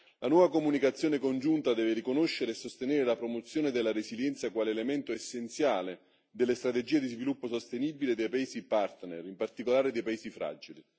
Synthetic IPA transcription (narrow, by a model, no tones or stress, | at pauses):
lʔanwɔːvakomunikat̪sjoːnekond͡ʒunt̪ad̪ɛːveɾikonoʃːeɾeːsost̪eneːɾelapɾomot̪sːjoːned̪elːaɾeziljɛnt̪sjakwaːleːlemɛnt̪oesːent̪sjaːle | d̪elːest̪ɾat̪ed͡ʒiːed̪izvilupːosost̪eniːbiled̪ejpaeːsipart̪nerimpart̪ikolaːɾed̪ejpaeːsifɾa̰d͡ʒili